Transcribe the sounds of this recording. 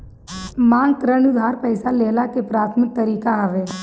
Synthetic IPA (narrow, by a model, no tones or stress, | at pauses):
mãːŋɡkɾənʊd̪ʱaːɾpɛɪsaleːlakepɾaːt̪ʰmɪk̚t̪əɾiːkaɦəʋeː